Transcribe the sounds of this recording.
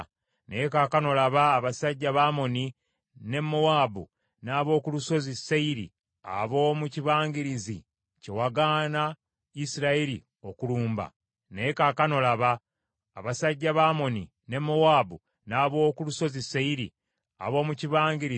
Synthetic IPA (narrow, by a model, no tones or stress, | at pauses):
neekakano̞laβaːβasaɟːaβaːmo̞ni | ne̞mːowaːbu | naːβo̞ːkuluso̞zisːeiɾḭ | a̰βo̞ːmuciβaːŋɡiɾizi | ce̞waɡana | isiɾaeɾḭ | o̞kuluːmba̰ | neekakano̞laβaː | βasaɟːaβaːmo̞ni | ne̞mowaːbu | naːβo̞ːkuluso̞zisːeiɾḭ | a̰βo̞ːmuciβaːŋɡiɾi